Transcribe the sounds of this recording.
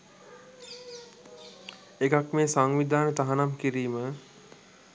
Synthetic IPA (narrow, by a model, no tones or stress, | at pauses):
ekakmeːsaŋʋid̪aːnət̪aɦanamkiɾiːmə